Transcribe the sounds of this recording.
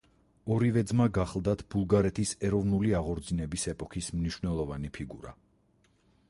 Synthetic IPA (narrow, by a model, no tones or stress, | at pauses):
ɔɾivɛd̪zmaɡaχlˠd̪at̪ʰb̥ulˠɡaɾɛt̪ʰisɛɾɔvnuliaʁɔɾd̪zinɛbisɛpʼɔkʰismniʃwvnɛlˠɔvanipʰiɡuɾa̰